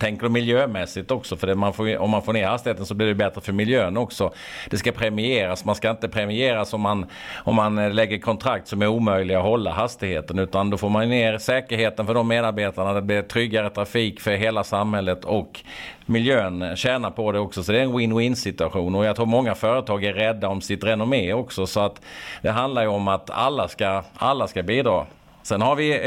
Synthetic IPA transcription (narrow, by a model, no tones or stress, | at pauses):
t̪ʰɛŋkəɖɵmɪljøːmɛsɪɡt̪ɔksɔfœɖɛmanfoːɔmːanfoːɾneːɾhast̪ɪheːt̪ənsɔbliɖɛbɛt̪ɾəfœɾmɪljøːnɔksɔ | d̪̥ɛskapʰɾɛmɪeːɾasmanskaɪnt̪əpʰɾɛmɪeːɾasɔmːan | ɔmːanlɛɡːəɾkʰɔnt̪ʰɾak̚t̪sɔmæɾuːmœjlɪɡɔɦɔlːa̰ɦast̪ɪhḛːt̪ənʉ̟ːt̪and̪ɔfoːɾmanneːɾsɛːkəɾheːt̪ənfœɖɔmːeːd̪aɾbeːt̪aɳad̪ɛt̪̚blit̪ʰɾʏɡːaɾət̪ʰɾafiːkfœɾɦeːlasamhɛlːət̪ʰɔkmɪljøːnɕɛːnapʰɔd̪ɛɔksɔsɔd̪ɛɾɛnwɪnwɪnsɪt̪ɵaɧuːnɔjaɡt̪ʰɾuːɾmɔŋːafœːɾət̪ʰɑːɡæɾːɛd̪ːaɔmsɪt̪ɾɛnʊmeːɔksɔsɔat̪d̪ɛɦand̪laɾjɵɔmat̪a̰lːaskaalːaskabiːd̪ɾɑ̰ː | sɛnhaɾvɪ